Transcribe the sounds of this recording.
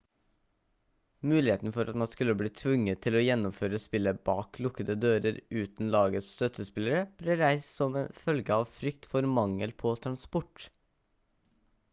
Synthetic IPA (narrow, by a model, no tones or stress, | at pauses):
mʉːlɪheːt̪nəfɔɾʔɑt̪mɑnskʉləbliːt̪ʰʋʉŋːət̪ʰːɪlɔːjɛnːʊmføːɾəspɪlːəbɑːklʊkəd̪əd̪øːɾəɾʉːt̪n̩lɑːɡəst̪œt̪ʰəspɪlːəɾəb̥leːɾæɪssɔmeːnfœlɡəɑːʋfɾʏkt̪fɔɾmɑŋəlpʰɔt̪ʰɾɑnspʊʈ